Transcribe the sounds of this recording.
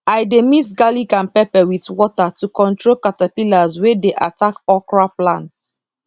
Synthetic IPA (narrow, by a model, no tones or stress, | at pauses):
ajdemitɡalikãnpɛpɛwitwɔtatukɔ̃ntɹolkatapilazwedeʔatakɔkɹaplãnts